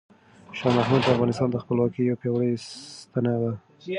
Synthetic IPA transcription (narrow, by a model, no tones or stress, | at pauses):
ʃɑmahmud̪̚d̪əafɣɑnɪst̪ɑnd̪əxpəlwɑkijawpjɑwɽəjst̪anad̪a